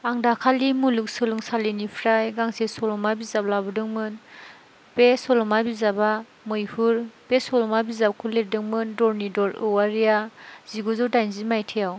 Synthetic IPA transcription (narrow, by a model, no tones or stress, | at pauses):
aŋdakʰalimuluk̚sɯlɯŋsalinipʰɾajɡaŋsesɔlɔmabizab̚labɯdɯŋmɯn | pesɔlɔmabizaba | mɯjhuɾb̥esɔlɔmabizab̚kʰuledɯŋmɯndɔɾnidɔɾɯwaɾijaz̥iɡɔzɔwdajnzimajtʰijaw